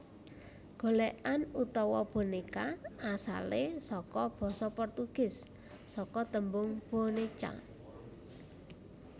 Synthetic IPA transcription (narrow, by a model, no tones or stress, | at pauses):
ɡ̥o̤lɛʔanut̪ɔwɔb̥o̤nekaasa̰lesɔkɔb̥ɔ̤sɔpɔrt̪uɡ̥ɪ̤sː | ɔkɔt̪əmbʊŋb̥o̤net͡ʃa̰